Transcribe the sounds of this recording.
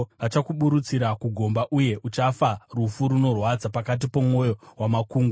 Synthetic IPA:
ʋat͡ʃakuɓuɾut͡siɾakuɡʱo̞mbaʔuje̞ʔut͡ʃafarufuɾuno̞rwad͡zapakat̬ipo̞mo̞jo̞wamakuːŋɡu

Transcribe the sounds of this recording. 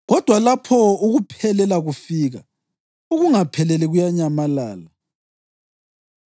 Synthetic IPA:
ɣɔd̥ʱwalapʰɔuɣupʰɛlɛlaɣufiɣa | uɣuŋapʰɛlɛlɛɣujaɲamalaːla

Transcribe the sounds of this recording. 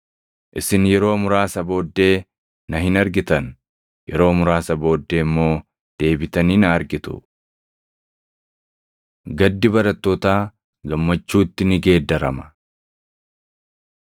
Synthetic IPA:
ʔɪsɪnjɛɾo̞ːmʊɾaːsɐbo̞ːd̪ːe̞ː | nɐɦɪnɐɾɡɪt̪ɐn | jɛɾo̞ːmʊɾaːsɐbo̞ːd̪ːe̞ːɪmːo̞ː | d̪̥e̞ːbɪt̪ɐniːnɐːɾɡɪt̪ʊ̰ | ɡɐd̪ːɪbɐɾɐt̪ːoːt̪aː | ɡɐmːɐt͡ʃːuːt̪ːɪnɪɡe̞ːd̪ːɐɾɐmɐ̥

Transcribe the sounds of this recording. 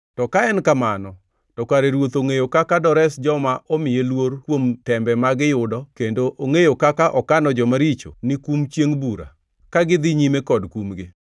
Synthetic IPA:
tɔkaɛnkamanɔ | tɔkaɾeɾwot̪oŋejokakadɔɾɛsd͡ʒɔmaʔɔmɪjelwoɾkwomtɛmbɛmaɡɪjʊdɔkendoʔoŋejokakaʔɔkanɔd͡ʒɔmaɾit͡ʃo̰nɪkumt͡ʃjeŋbuɾa̰ | kaɡɪd̪ɪɲimekɔdkumɡɪ

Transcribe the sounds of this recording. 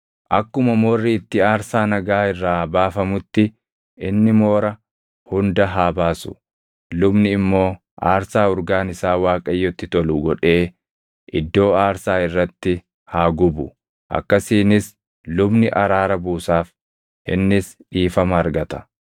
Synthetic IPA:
ʔɐkːʊmɐmoːrːɪːt̪ːɪaːɾsaːnɐɡaːɪrːaːbaːfɐmʊt̪ːɪ | ʔɪnːɪmo̞ːɾɐ | hʊnd̪ɐɦaːbaːsʊ̥̰ | lʊbnɪːmːo̞ː | ʔa̰ːɾsaːʊɾɡaːnɪsaːwaːkʼɐjːɔt̪ːɪt̪ɔluɡɔᶑe̞ː | ʔɪd̪ːo̞ːaːɾsaːɪrːɐt̪ːɪ | haːɡʊbʊ | ʔɐ̰kːɐsiːnɪs | lʊbnɪʔɐɾaːɾɐbuːsaːf | ɪ̰nːɪsᶑiːfɐmɐːɾɡɐt̪ɐ̥

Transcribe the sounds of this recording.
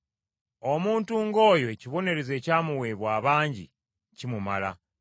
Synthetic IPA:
o̞muːntuːŋɡo̞ːjoeciβo̞ne̞ɾe̞ze̞ːcaːmuwe̞βwaːβaːɲɟḭ | cimuma̰la̰

